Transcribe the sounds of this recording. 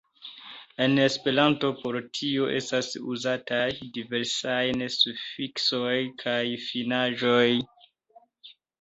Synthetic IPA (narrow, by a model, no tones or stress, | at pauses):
e̞ne̞spe̞ɾanto̞po̞ɾtʰio̞ʔestasṵzatajdive̞ɾsajnsufiksojkʰajfinaʒoj